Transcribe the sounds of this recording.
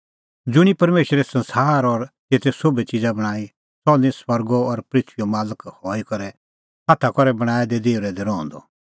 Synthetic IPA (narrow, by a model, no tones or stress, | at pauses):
d͡zʊɽ̃ipɐɾmeːʃɾesɐ̃nsaːɾɔɾt̪eːt̪ʰɛsobet͡ʃid͡zabɐɽ̃aːi | sɔnĩswɐɾɡɔɔɾpɾɪt̪ʰʋijomaːləkhɔːikɐɾɛ | hat̪ʰakɔɾɛbɐɽ̃aːɛd̪ɛd̪eːʊɾɛd̪ɛɾɔːɔ̃nd̪ɔ̰